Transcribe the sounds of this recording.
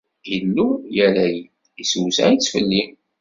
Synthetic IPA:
jəlːujæɾæji | isuwsæ̰it͡sːfə̰lːim

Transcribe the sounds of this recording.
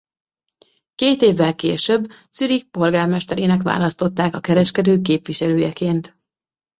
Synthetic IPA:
keːt̪eːvːɛlkeːʃøbːsyɾik̚po̞lɡaːrmɛʃt̪ɛɾeːnɛkʋa̰ːlɒst̪o̞t̪ːaːkɒkɛɾɛʃkɛd̪øːkeːpʋiʃɛløːjɛkeːnt̪

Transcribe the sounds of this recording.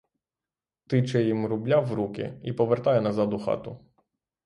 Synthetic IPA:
t̪ɪt͡ʃɛjimɾublʲawɾukʲɪ̰ipɔʋert̪ɑjɛnɐzɑd̪ʊxɑ̰t̪ʊ

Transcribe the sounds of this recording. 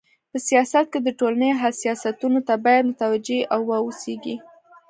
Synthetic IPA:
pəsijɑsat̪̚ked̪əʈolanəjoɦalsijɑsat̪unot̪abɑjad̪mʊt̪awad͡ʒeʔawːɑoseɡi

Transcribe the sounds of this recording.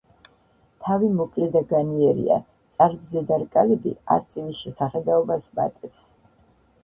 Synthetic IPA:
t̪ʰavimɔkʼlɛd̪aɡaniɛɾḭa̰ | t̪sʼaɾbzɛd̪aɾkʼalɛbḭa̰ɾt̪sʼinisʃɛsaχɛd̪aɔbasma̰t̪ʼɛps

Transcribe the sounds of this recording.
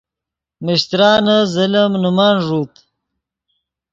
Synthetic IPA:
mɪɕt̪ɾɑːnəzəlɐmnumaːnʐuːt̪

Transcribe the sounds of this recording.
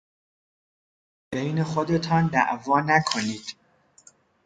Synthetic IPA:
b̥ejne̞xo̞d̪e̞t̪ʰɒːnd̪æ̰ʔvɒːnækʰo̞niːd̪̥

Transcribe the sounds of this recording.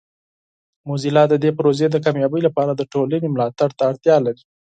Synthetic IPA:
mozilɑd̪əd̪epɾozed̪əkɑmjɑbəjlapɑɾad̪əʈolənemlɑt̪aɽt̪aːɽt̪jɑlaɾi

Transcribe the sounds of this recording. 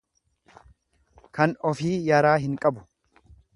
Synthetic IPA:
kɐnɔfiːjɐɾaːɦɪŋkʼɐbʊ̥

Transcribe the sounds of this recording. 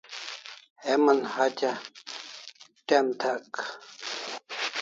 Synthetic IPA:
hemənhat͡ɕa | ʈemt̪ʰak

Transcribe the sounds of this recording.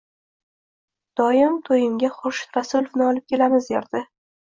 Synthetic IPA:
d̪̥ɒjɪmt̪ʰojɪmɡʲaχʊʃɾasʊlvnɪɒlˠɪp̚kʲʰelamɪzjeɾd̪ɪ

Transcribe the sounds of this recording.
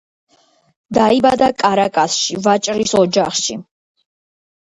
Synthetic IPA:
d̪aibad̪akʼaɾakʼasʃivat͡ʃʼɾisɔd͡ʒaχʃi

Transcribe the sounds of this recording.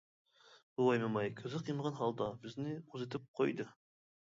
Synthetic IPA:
uwɑjmemɑjkʲʰɪzɪqʰijmʁɑnɦɑlˠd̪ɑbɪznɪuzet̪ʰɪp̚qʰojd̪ə

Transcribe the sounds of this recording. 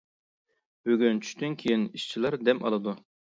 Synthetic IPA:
b̥øɡʲynt͡ʃʰy̥ʃt̪ynkʲʰejiniʃt͡ʃʰilˠɑɾd̪ɛmʔɑ̰lˠɨd̪u

